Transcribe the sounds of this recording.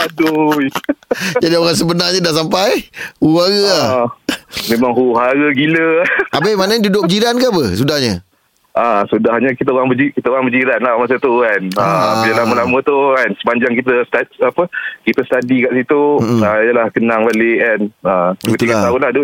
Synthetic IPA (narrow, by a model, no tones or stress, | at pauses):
aduj | d͡ʒadioɾaŋsəbənaɲədaʔsampajhuaɣəah | mẽmaŋɦuɦaɾəɡiləabəmanaɲdudʊʔd͡ʒiɾankaapəsudahɲə | ʔasudahɲəkit̪əoɾaŋbəd͡ʒikit̪əaŋbəd͡ʒiɾanlahmas̬ət̪ukanəidəlaməlamə̃t̪ukansə̥paɲd͡ʒaŋkit̪əst̪aapəkit̪əst̪adikaʔsit̪uaijəlahkənaŋbaleʔanəət̪uilat̪aunlahduj